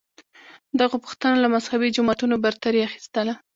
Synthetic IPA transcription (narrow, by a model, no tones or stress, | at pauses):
d̪aɣopu̥xt̪ənolamashawid͡ʒʊmɑt̪unobaɾt̪aɾiaxi̥st̪əla